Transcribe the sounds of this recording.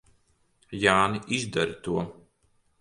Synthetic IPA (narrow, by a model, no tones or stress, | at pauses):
jaːniʔizd̪aɾit̪uɔ